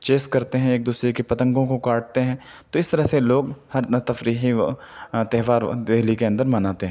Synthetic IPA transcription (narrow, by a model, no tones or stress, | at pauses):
t͡ʃeːskɐɾt̪eɦɛ̃eːk̚d̪uːsɾekipɐt̪ə̃ŋɡõkokaːʈ̚t̪eɦɛ̃ː | t̪oɪst̪ɐɾəɦseloːɡhɐɾt̪ɐfɾiːɦi | t̪ɛɦʋaːɾd̪eɦlikeɐ̃nd̪əɾmɐnaːt̪eɦɛ̃ː